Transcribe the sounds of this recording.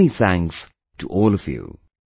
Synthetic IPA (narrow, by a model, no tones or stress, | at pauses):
niθæ̃ŋks | tʰəʔɔːlˠʌv̥jṵ